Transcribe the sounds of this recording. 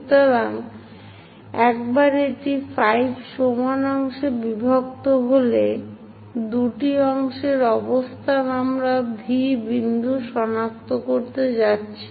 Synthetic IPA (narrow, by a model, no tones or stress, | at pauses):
t̪oɾaŋ | ɛk̚baɾeʈifajbʃomanɔŋʃebibʱok̚t̪oɦole | d̪uʈiɔŋʃeɾɔbost̪ʰanamɾabʱibind̪ʱuʃɔnak̚t̪okoɾt̪ed͡ʑatːɕʰi̥